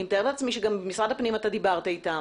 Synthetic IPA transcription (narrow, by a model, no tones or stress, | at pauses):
imt̪aeleat͡smiʃeɡambemisʁad̪hapnimat̪ad̪ibaʁt̪ait̪a